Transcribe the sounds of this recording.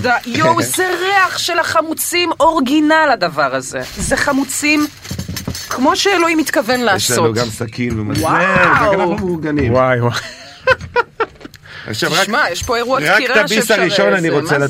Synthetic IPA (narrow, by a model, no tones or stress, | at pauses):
dajowzeʁeaχʃelaχamut͡simo̞ʁɡinalad̪avaʁaze̞̰zeχamut͡sim | kʰmo̞ʃeeloimit̪kavenlaaeʃslaonuɡamsakʰinvemazwaeʁakananumuʁɡanimwajwaj | a̰χʃavakmajɛʃpo̞eʁuaʁakiʁat̪abisaʁiʃo̞naniʁot͡sela